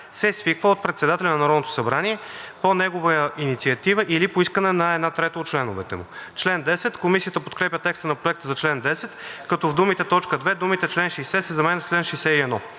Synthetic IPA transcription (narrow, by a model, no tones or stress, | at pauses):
sɛsvikvəot̪̚pɾɛt̪sɛd̪at̪ɛlʲɛnɐnɐɾɔd̪not̪oʊsɐbɾaniɛponɛɡovəjəʔinit̪siɐt̪ivəʔilipoiskənɛnɐɛd̪nat̪ɾɛt̪əot̪̚t͡ʃlɛnʊvɛt̪ɛmʊ̰t͡ʃlɛnd̪ɛsɛt̪komisijət̪əpot̪̚kɾɛpʲət̪ɛkst̪ənɐpɾoɛk̚t̪əzɐt͡ʃlɛnd̪ɛsɛt̪kɐt̪ɔvd̪umit̪ɛt̪ɔt͡ʃkəd̪vɛd̪umit̪ɛt͡ʃlɛnʃijsɛsəzɐmɛnɛt͡ʃlɛnʃijsɛiɛnɔ